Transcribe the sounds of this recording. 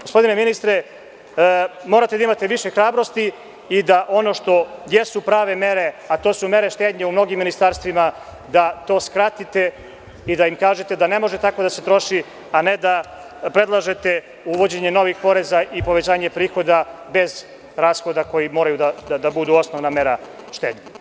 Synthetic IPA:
ɡospo̞d̪ineminist̪ɾe̞ | mo̞ːɾat̪ed̪aimat̪e̞ʋiʃexɾaːbɾo̞st̪iː | d̪aʔo̞no̞ʃt̪o̞jesupɾaːʋe̞me̞ɾe̞at̪o̞ːsume̞ɾeʃt̪eːd̪ɲaumno̞ɡimːinist̪aɾst̪ʋima | d̪at̪o̞ːskɾat̪it̪e̞ | id̪aimkaːʒet̪e̞d̪ane̞mo̞ʒet̪ako̞d̪ase̞t̪ɾo̞ʃi | aned̪a | pɾe̞d̪lˠaʒe̞t̪e | uʋo̞d͡ʑeɲe̞no̞ʋixpo̞ɾe̞zaʔipo̞ʋet͡ɕaːɲe̞pɾiːxo̞d̪abe̞z | ɾaːsxo̞d̪ako̞jimo̞ːɾajud̪ad̪ad̪abud̪uo̞snoʋname̞ɾa | ʃt̪eːd̪ɲe

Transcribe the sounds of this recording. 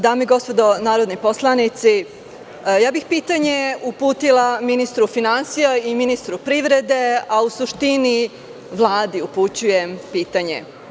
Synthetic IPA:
d̪aːmeiɡo̞spo̞d̪onaːɾo̞d̪nipo̞slˠanit̪si | jaːbixpiːt̪aɲe̞upuːt̪ilaminist̪ɾufinansijaiminist̪ɾupɾiʋɾe̞d̪e̞ausuʃt̪ini | ʋlˠaːd̪iuput͡ɕujempiːt̪aɲḛ

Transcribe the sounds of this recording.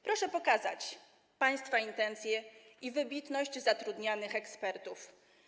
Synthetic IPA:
pɾɔʂɛpɔkaza̰t͡ɕ | paj̃st̪faint̪ɛnt̪sʲjɛivɘbʲit̪nɔʑd͡ʑzat̪ɾud̪ɲanɘxɛkspɛɾt̪uf

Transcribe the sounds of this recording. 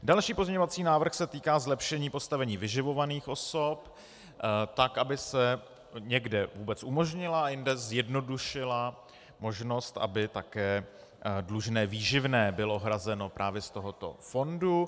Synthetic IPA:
dalʃiːpozmɲɛɲovat͡siːnaːvr̩xsɛt̪iːkaːzlɛpʃɛɲiːpo̞st̪avɛɲiːvɪʒɪvo̞vaniːxʔo̞sop | t̪akʔabɪsɛ | ɲɛɡdɛvuːbɛt͡sumo̞ʒɲɪlaajɪndɛzjɛdno̞duʃɪla | mo̞ʒno̞st̪ʔa̰bɪt̪akɛː | dluʒnɛːviːʒɪvnɛːbɪlo̞ɦɾazɛno̞pɾʔaːvjɛst̪o̞ɦo̞t̪o̞̰fo̞ndu

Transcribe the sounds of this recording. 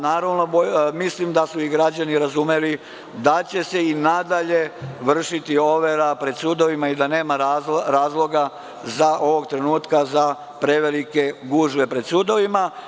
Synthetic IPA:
naːɾaʋno̞bomislimd̪asuiɡɾad͡ʑaniɾazumeli | d̪at͡ɕe̞se̞inad̪aʎe̞ʋr̩ʃit̪io̞ʋeɾapɾe̞d̪sud̪o̞ʋimaid̪ane̞ːmaɾaɾaːzlˠo̞ɡa | zaʔo̞ʋo̞ɡt̪ɾe̞nuːt̪kaza | pɾe̞ʋe̞like̞ɡuʒʋe̞pɾe̞d̪sud̪o̞ʋima

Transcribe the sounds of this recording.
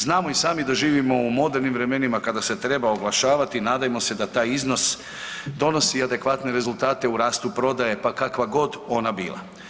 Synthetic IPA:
znaːmo̞isaːmid̪aʒiːʋimo̞umo̞d̪e̞ɾnimʋɾe̞me̞nimakad̪ase̞t̪ɾe̞baoɡlˠaʃaːʋat̪inaːd̪ajemo̞se̞d̪at̪aːjizno̞s | d̪o̞no̞siad̪e̞kʋat̪ne̞ɾe̞zulˠt̪aːt̪e̞uɾaːst̪upɾo̞d̪aje̞pakakʋaɡo̞d̪o̞nabḭːlˠa̰

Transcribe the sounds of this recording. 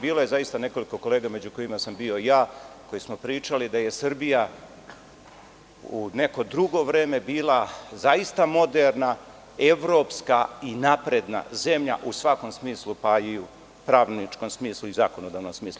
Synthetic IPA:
biːlˠo̞je̞zaist̪ane̞ko̞liko̞ko̞lˠe̞ːɡame̞d͡ʑuko̞jimasambio̞ijaːko̞jismo̞pɾiːt͡ʃalid̪aje̞sɨrbija | une̞ko̞d̪ɾuɡo̞ʋɾeːme̞biːlˠazajist̪amo̞d̪eɾna | e̞ʋɾo̞ːpskainapɾe̞d̪na̰ze̞mʎa̰ʔusʋako̞msmiːslˠupaiu | pɾaːʋnit͡ʃko̞msmiːslˠuizaːko̞nod̪aːʋnomsmiːslu

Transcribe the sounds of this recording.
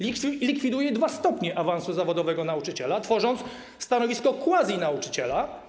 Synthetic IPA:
lʲikfʲid̪ujɛd̪vast̪ɔpɲɛʔavansuzavɔd̪ɔvɛɡɔnaut͡ʂɘt͡ɕɛlat̪fɔʐɔnt̪s | st̪anɔvʲiskɔkwazʲjinaut͡ʂɘ̥t͡ɕɛla

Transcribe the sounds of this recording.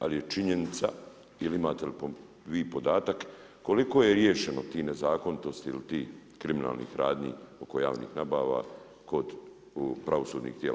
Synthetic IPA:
a̰lije̞t͡ʃiɲe̞nit̪sa̰ | iliimaːt̪e̞lipo | ʋiːpo̞d̪aːt̪akː | o̞liko̞jeɾjeːʃe̞no̞t̪iːnezaːko̞nit̪o̞st̪iilit̪iːkɾimina̰ːlnḭːxɾaːd̪ɲḭːo̞ko̞ja̰ːʋnḭːxnabaːʋa̰ː | ko̞d̪ | pɾaʋosuːd̪nḭːxt̪jeːl

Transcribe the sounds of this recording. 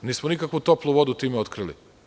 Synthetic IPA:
niːsmonikakʋut̪o̞plˠuʋo̞d̪ut̪iːmeo̞t̪kɾilḭ

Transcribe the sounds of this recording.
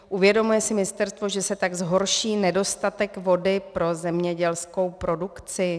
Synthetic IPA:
ʔuvjɛdo̞mujɛsɪmɪst̪ɛɾst̪vo̞ʒɛsɛt̪aɡzɦo̞ɾʃiːnɛdo̞st̪at̪ɛkvo̞dɪpɾo̞zɛmɲɛɟɛlsko̞wpɾo̞dukt͡sɪ

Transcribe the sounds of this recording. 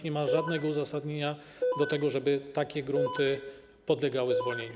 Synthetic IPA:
ɲɛmaʐad̪nɛɡɔuzasad̪ɲeɲa | d̪ɔt̪ɛɡɔʐɛbɘt̪akʲɛɡɾunt̪ɘ | pɔd̪lɛɡawɘzvɔlɲeɲa

